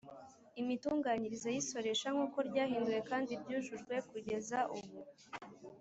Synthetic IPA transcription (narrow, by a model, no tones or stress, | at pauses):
imituːŋɡaːɲiɾizajiso̞ɾe̞ːʃaŋ̥uːko̞ɾɟaːɦiːnduje̞kaːndibɟuːʒuʒɡwe̞kuɟe̞zaʔuβu